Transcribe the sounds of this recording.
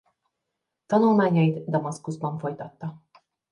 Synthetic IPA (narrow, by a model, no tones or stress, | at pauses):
t̪ɒnulmaːɲɒjid̪d̪ɒmɒskuzbɒɱfo̞jt̪ɒt̪ːɒ